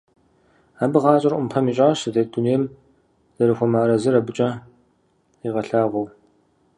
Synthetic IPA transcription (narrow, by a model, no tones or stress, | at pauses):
aːbɨʁɑːt͡ʃʼɐrʔʷʊmpʰɐmiːɕʼaːɕɐdeːdunejm | z̥ɐɾɨxʷɔmaːɾɐzɨɾɐbɨt͡ʃʼɐ | iʁɐɬaːʁʷɔw